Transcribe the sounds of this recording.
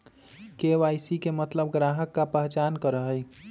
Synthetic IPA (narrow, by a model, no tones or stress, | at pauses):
keʋaːjsikemət̪ləbɡɾaɦəkːapɛɦt͡ʃaːnkəɾəɦəɪ